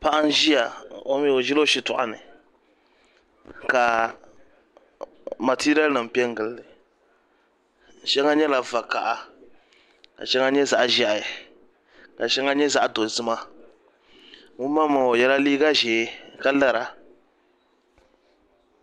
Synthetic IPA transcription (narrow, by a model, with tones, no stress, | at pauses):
pa˦ʔa˦n˦ʒi˦ja˨o˦mi˦˨o˨ʒi˦lo˦ʃi˦tʊ̰˦˨ʔa̰˨nɨ̰˨ | ka˨ | ma˨ti˦ɾi˦ɛ˦lnɨ˨m̩˨pɛ˦ŋ˦ɡɨ˨lːɨ˨ | ʃɛ˦ŋa˦ɲɛ˦la˨va˨ka˨ʔa˨ | ka̰˨ʃɛ˦ŋa˦ɲɛ˦za˨ʔʒa˦ʔj | ka˨ʃɛ˦ŋa˦ɲɛ˦za˦ʔdo˨zɨ˦ma˦ | ŋu˦ma˦ma˨o˨jɛ˦la˦liː˦ɡa˦ʒɛː˨˦ka˦la˦ɾa˨